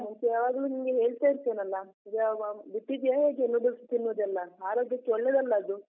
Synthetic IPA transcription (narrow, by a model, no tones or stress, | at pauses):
ɦɐɲt͡ʃjaːʋaːɡluːnimɡeɦe̞ːɭt̪aːiɾt̪ːeːnɐlːɐiɡɐbiʈːid̪ijaɦeːɡenːubɐɾst̪ːinːuːd̪ɛlːɐaːɾoːɡjɐtːɔɭːed̪ɐlːɐːd̪u